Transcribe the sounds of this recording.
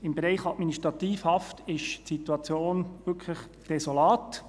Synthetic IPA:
ɪmbeɾɛɪχɑtminiʃtɾɑt̪iːfhɑftɪʃtsit̪uɑt͡sjoːnʋʏɾkʰləχ | d̥ɛsolɑːt

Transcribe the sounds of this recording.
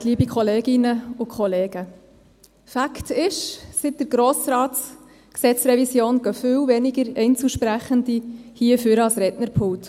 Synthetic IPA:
tliːbikʰχɔleːɡɪnəʊkʰχɔleːɡ̥ə | fæktɪʃsɪt̚d̥əɾɡ̥ɾoːsɾɑːts | ksɛt͡sɾɛvisjoːnɡ̥œfywvɛnɪɡəɾɛɪnt͡suʃpɾæχəndihiəfyɾɑlsɾɛtnəɾpʰʊwt

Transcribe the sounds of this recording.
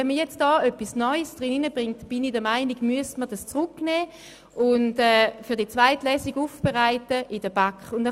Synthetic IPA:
ɛnməjɛt͡std̥ɑːœpːisnɔʏsd̥ʁɪninəbʁɪŋtb̥ɪnidəɐmaɪniɡmyəsmədɑst͡sʁʊknɛː | ʊntɛːfyːɐdiət͡svaɪtlɛːsiɡufb̥eʁaɪtəʔɪdəbakχʊndɛ

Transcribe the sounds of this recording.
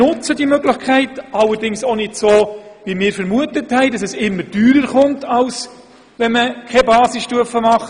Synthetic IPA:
ʊt͡sədimœɡlɪçkʰæɪtɑlːəɾdɪŋsonɪdsoːʋimɪːɾfəɾmuətəthɛɪdɑsɛsɪmːəɾdyːɾəɾχʊntɑls | ʋɛnməkʰɛbɑːsɪsʃtuəfəmɑχ

